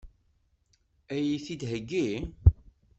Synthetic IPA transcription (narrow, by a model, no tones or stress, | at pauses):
æjiθid̪ɦəɡːi